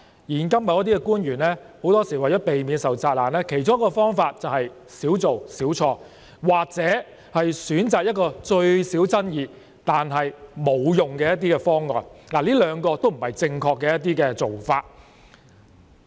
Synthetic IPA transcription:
jiː˨˩nkɐ˥mɐ˨˧wjɐ˥t̪iː˥kɛ˧kuː˥nɥyː˨˩nlɛː˥ | ho˨˥wt̪ɔː˥siː˨˩wɐ˨˩jɔː˨˥pe˨jmiː˨˧nsɐ˨wt͡saː˧t̚laː˨˩nlɛː˥kʰe˨˩jt͡sʊ˥ŋjɐ˥kːɔː˧fɔː˥ŋfaː˧t̚t͡sɐ˨whɐ˨j | siː˨˥wt͡so˨wsiː˨˥wt͡ʃʰɔː˧ | waː˨k̚t͡sɛː˨˥ | hɐ˨jsyː˨˥nt͡saː˨k̚jɐ˥t̚kɔː˧t͡ʃɵ˧ɥsiː˨˥wt͡sɐ˥njiː˨˧ | t̪aː˨nɦɐ˨jmo˨˧wjʊ˨ŋkɛː˧jɐ˥t̪̬iː˥kɛ˧fɔː˥ŋːɔ̰ː˨˩nlaː˨˩liː˥lœː˨˧˥ŋkɔː˧t̪o˥wm̩˨˩hɐ˨jt͡sɪ˧ŋkʰɔː˧kːɛː˧jɐ˥t̪iː˥kɛː˧t͡so˨wfaː˧t̚

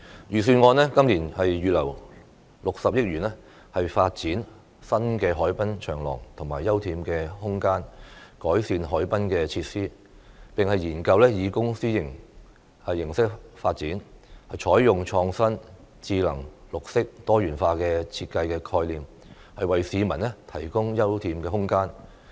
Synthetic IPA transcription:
jyː˨˩s̬yː˧nŋɔː˧nlɛː˥kɐ˥mliː˨˩nhɐ˨jɥyː˨lɐ̰˨˩w | lʊ˨k̚sɐ˨p̚jɪ˥k̚jyː˨˩nɛ˥ | hɐ˨jfaː˧t̚t͡siː˨˥n | sɐ˥nkɛː˧ɦɔː˨˥jpɐ˥nt͡ʃʰœː˨˩ŋlɔ̰ː˨˩ŋt̪ʰʊ˨˩ŋmaː˨˩jːɐ˥wt̪ʰiː˧mkɛː˧hʊ˥ŋkaː˥nkɔː˨˥jsiː˧nɦɔː˨˥jpɐ˥nkɛː˧t͡sʰiː˧t̚siː˥ | pɪ˨ŋhɐ˨jjiː˨˩nkɐ˧wlɛː˥jiː˨˧kʊ˥ŋsiː˥jɪ˨˩ŋ˨ | jɪ˨˩ŋsɪ˥k̚faː˧t̚t͡siː˨˥nhɐ˨jt͡ʃʰɔː˨˥jjʊ˨ŋt͡ʃʰɔː˧ŋsɐ˥nt͡siː˧lɐ̰˨˩ŋlʊ˨k̚sɪ˥k̚t̪ɔː˥jyː˨˩nfaː˧kɛː˧t͡sʰiː˧t̚kɐ˧jkɛː˧kʰɔː˧jliː˨m | hɐ˨jwɐ˨jsiː˨˧mɐ˨˩nlɛ˥t̪ʰɐ˨˩jkʊ˥ŋjɐ˥wt̪ʰiː˧mkɛː˧ɦʊ˥ŋkaː˥n

